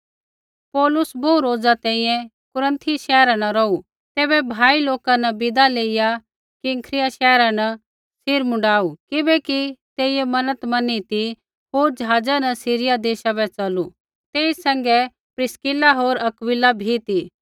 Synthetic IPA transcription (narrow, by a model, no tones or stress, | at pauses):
pɔːlʊsboːuɾoːd͡zat̪ɛ̃ːĩjɛ̃ | kʊɾə̃nt̪ʰiʃɛːɾanɐɾɔu | t̪ɛːbɛbʱaːiloːkanɐbɪd̪aleːɪja | kĩŋkʰɾɪjaʃɛːɾanɐ | sɪɾmʊ̃ɳɖaːukɪbɛkit̪eːɪjɛmɐnət̪mɐnit̪i | ɦoːɾd͡ʒɦaːd͡zanɐsiːɾɪjad̪eːʃabɛt͡ʃɐlu | t̪eːisɐ̃ŋɡɛ | pɾɪskɪlaɦoːɾɐkʋɪlabʱit̪i